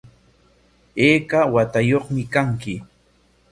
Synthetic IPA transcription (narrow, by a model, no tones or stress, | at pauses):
eːkawat̪ajoχmɪkaŋkɪ